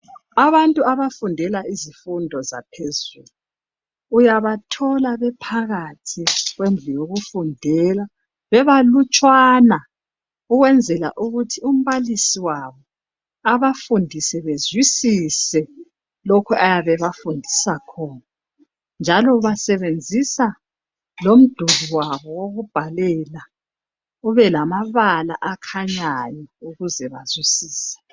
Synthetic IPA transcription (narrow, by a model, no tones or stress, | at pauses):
aβantʼuaβafundʱɛlaizifundʱɔza̰pʰezuːluː | jaβatʰɔlaβɛpʰaɣatʰiɣwend͡ɮʱijoɣufundʱɛla | βɛβalut͡ʃʼwana | uɣwɛnd͡zʱɛla̰ʔuɣutʰium̩βalisiwaβɔ | aβafundʱisɛβezwisisɛ | lokʰuʔajaβɛβafundʱisakʰɔːna | nd͡ʒʱalɔβasɛβend͡zʱisa | lom̩d̥ʱuɣiwaβɔwoɣub̥ʱalɛla | uβɛlamaβala̰ʔakʰaɲajɔuɣuzɛβazwisiːsɛ̥